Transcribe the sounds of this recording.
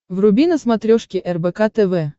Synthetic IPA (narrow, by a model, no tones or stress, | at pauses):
vrʊbʲinəsmat̪ɾʲɔʂkʲɪʔɛrbɛkat̪ɛvɛ